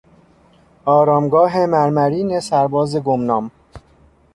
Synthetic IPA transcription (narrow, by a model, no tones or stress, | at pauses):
ɒːɾɒːmɡɒːɦemæɾmæɾiːnesæɾbɒːzeɡomnɒːm